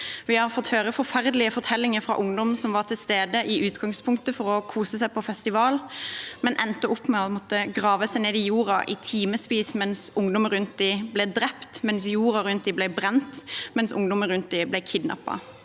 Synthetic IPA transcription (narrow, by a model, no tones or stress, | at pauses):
ʋɪhɑɾfɔt̪ːhøːɾəfɔɾfæɾd̪əlɪəfɔʁt̪ʰɛlːɪŋəfɾɑ̰ʔʊŋd̪ɔmsɔmʋɑʁʈ̪ʰɪlst̪eːd̪əʔɪʔʉːt̪ɡɑŋspʰʊŋk̚t̪əfɔɾɔkʰuːsəsæɪpʰɔfɛst̪ɪʋɑːlmɛnʔɛnt̪əʊpːmɛɔmɔt̪ːəɡʁɑːʋəsæɪneːd̪ɪjuːɾɑʔɪt̪ʰiːməspiːsmɛnsʊŋd̪ɔməɾʉnt̪̚d̪iːblɛd̪ɾɛpt̪mɛnsjuːɾɑɾʉnt̪̚d̪iːblæɪbɾɛnt̪mɛnsʊ̰ŋd̪ɔməɾʉnt̪̚d̪ɪblɛɪkʰɪd̪nɑ̰pːɑ̰